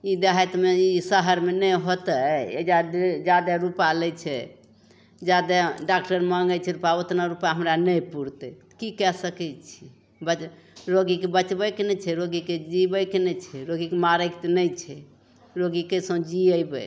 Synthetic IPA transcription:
id̪eɦat̪meisəɦəɾmenɛjɦot̪əḛd͡ʒad̪d͡ʒad̪ɛɾupalɛt͡ʃʰɛ | d͡ʒad̪ɛɖakʈəɾməŋɡət͡ʃʰɛɾupaot̪naɾupaɦəmɾanɛjpuɾt̪ɛ | kikɛsəkɛt͡ʃʰi | bət͡ʃ | ɾoɡikebət͡ʃbɛkenɛt͡ʃʰɛɾoɡiked͡ʒibəkenɛt͡ʃʰɛɾoɡikemaɾəkt̪enɛt͡ʃʰɛ | ɾoɡikesə̃d͡ʒiəjbɛ̰

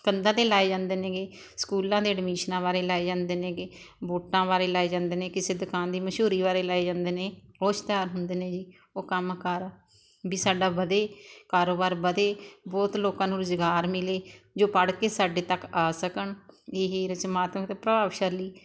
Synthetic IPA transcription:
kənd̪ãːd̪eːlaːeːd͡ʒãːnd̪eːnẽːɡeː | skuːlãːd̪eːəɖmiːʃnãːbaːɾeːlaːeːd͡ʒãːnd̪eːnẽːɡeː | boːʈãːbaːɾeːlaːeːd͡ʒãːnd̪eːnẽːkɪseːd̪ʊkaːnd̪iːməʃuːɾiːbaːɾeːlaːed͡ʒãːnd̪eːnẽːoːʃt̪aːɾɦʊnd̪eːnẽːd͡ʒiː | oːkəmkəɾ | biːsaːɖaːbəd̪eːkaːɾoːbaːɾbəd̪eːbɔːt̪loːkãːnũːɾɪzɡaːɾmɪleːd͡ʒoːpəɽkeːsaːɖeːt̪əkaːsəkəɳeɦɾɪt͡ʃmaːt̪məkt̪eːpɾəbaːʋʃəɾliː

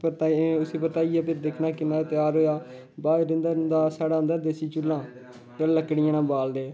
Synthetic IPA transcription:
pət̪aʊseːpət̪aːiːaːpʰɪɾd̪eːkʰnaːkɪmɛ̃ːt̪ɪjaːɾoːjaː | baːɾɪ̃nd̪aːɾɪnd̪aːsaːɽaːnd̪aːd̪eːsiːt͡ʃʊlːãː | kəːləkːɽɪjãːnãːbaːld̪eː

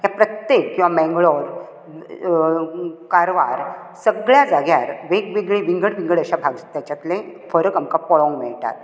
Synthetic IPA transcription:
ɦjapɾət̪jekːĩwʋamɛ̃ŋɡɭɔɾ | kaɾʋaɾ | səɡɭjad͡zaɡjaɾʋeɡʋeɡɭiʋiŋɡəɽʋĩŋɡəɽəɕabʱaɡt̪jat͡ɕjat̪lẽfəɾəkamkapɔɭɔ̃ŋɡʋɛɭʈa̰t̪

